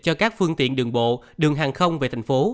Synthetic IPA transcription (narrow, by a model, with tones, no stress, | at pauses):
t͡ɕɔ˧kaː˦˥k̚fɨ˧əŋt̪ḭ˧˨ənɗɨ˨˩əŋɓo̰˧˨ | ɗɨ˨˩əŋɦaː˨˩ŋxə˧wŋ͡mve˨˩t̪ʰa˨˩ŋ̟fo˨˦